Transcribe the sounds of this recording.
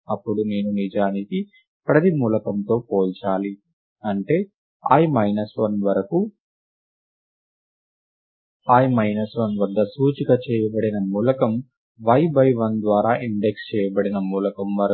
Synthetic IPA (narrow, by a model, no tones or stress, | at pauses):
ɐpːuɽune̞ːnunid͡ʒaːniki | pɾɐt̪imuːlɐkɐnt̪o̞ːpoːlt͡ʃaːli | ɐɳʈe̞ː | a̰ːjimɐjnɐsʋɐnʋɐɾɐku | aːjmɐjnɐsʋɐnʋɐd̪ːɐsuːt͡ʃiɡɐt͡ʃɛːjɐbɐɽinɐmuːlɐkɐm | ʋɐjbɐjʋɐnd̪ʋaːɾaːʔiɳɖe̞kst͡ʃɛːjɐbɐɽinɐmuːlɐkɐmʋɐɾɐ